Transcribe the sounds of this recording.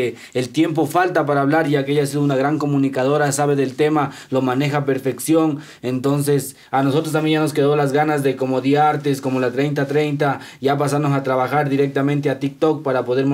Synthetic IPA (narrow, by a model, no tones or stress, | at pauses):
elt̪je̞mp̬o̞falt̪ap̬aɾaːβlaɾʝakeajas̬iðounaɣɾaŋko̞mũnikað̞o̞ɾasaβeðe̞lt̪e̞ma | lo̞mane̞xape̞ɾfe̞ksjo̞ŋ | ent̪o̞ns̬e̞s | anos̬o̞t̪ɾost̪amjejanos̬ke̞ðo̞lazɣanazðe̞ko̞moðiaɾt̪esko̞molat̪ɾejnt̪̬at̪ɾe̞jnt̪̬a | ʝap̬as̬anosat̪ɾaβaxaɾd̪iɾek̚t̪amẽnt̪̬eat̪ik̚t̪ok̚paɾapo̞ðe̞ɾm